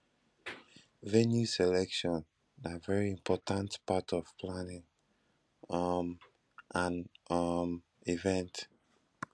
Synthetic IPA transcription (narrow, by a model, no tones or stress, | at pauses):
vɛnjusɛlɛkʃɔ̃n | avɛɹiĩmpʰɔtãntpatʰɔv̥pʰlanɪ̃ŋ | m | ʔãnm | ivɛ̃nt